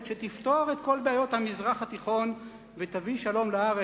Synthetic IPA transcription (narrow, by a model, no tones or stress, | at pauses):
ʃet̪ift̪o̞aʁet̪̚ko̞lbeajo̞t̪hamizʁaχhat̪iχo̞n | vet̪aviʃalo̞mlaaʁe